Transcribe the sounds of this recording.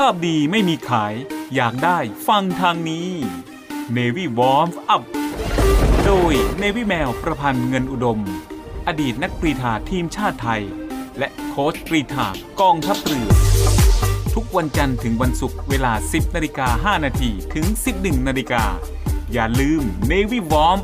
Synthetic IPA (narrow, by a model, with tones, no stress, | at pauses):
pʰaː˥˩p̚diː˧ma˥˩jmiː˧kʰaː˩˦jːaː˨˩k̚daː˥˩jfa˧ŋt̪ʰaː˧ŋniː˦˥ | neː˧wi˦˥˩wɔː˦˥mʔa˨˦˩p̚ | doː˧jneː˧wi˦˥˩mɛː˧wpɾa˧pʰa˧nŋɤ˧nʔu˨˩do˧m | ʔa˧diː˨˩t̪̚na˦˥k̚pɾi˧t̪ʰaː˨˩t̪ʰiː˧mt͡ɕʰaː˥˩t̪ʰːa˧jlɛ˦˥ʔkʰoː˦˥spɾiː˧˩t̪ʰa̰ː˨˩kɔː˧ŋt̪ʰa˦˥p̚ɾɯ˨˩ən | t̪ʰu˦˥k̚wa˧nt͡ɕa˧nt̪ʰɯ˩˦ŋwa˧nsu˨˩k̚weː˧laː˧si˨˩p̚naː˧li˧kaː˧ɦaː˥˩naː˧t̪ʰiː˧t̪ʰɯ˩˦ŋsi˨˩p̚nɯ˨˩ŋnaː˧liː˧kaː˧ | jaː˨˩lɯː˧mneː˧wiː˥˩wɔː˦˥m